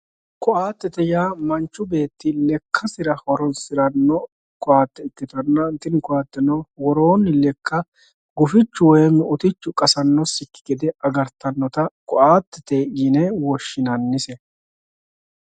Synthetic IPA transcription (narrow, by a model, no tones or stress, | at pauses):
kɔʔaːt̪ːɛt̪ɛjaːmɐnt͡ʃːʊbe̞ːt̪ːɪlɛkʰːɐsɪɾɐhɔɾɔnsɪɾɐnːɔ | kʊaːt̪ːɛɪt̪ːɪt̪ɐnːɐnt̪ːɪnkʊaːt̪ːɛnɔwɔɾoːnːɪlɛkːɐ | ɡʊfɪt͡ʃːʊwɔjɛmːɛʊt̪ɪt͡ʃːʊkʼɐsɐnːɔsɪkːɪ̥ɡɛd̪ɛʔɐɡɐɾt̪ɐnːɔt̪ɐkʼɔʔaːt̪ːɛt̪eʔiːnɛwɔʃːɪnɐnːɪsɛ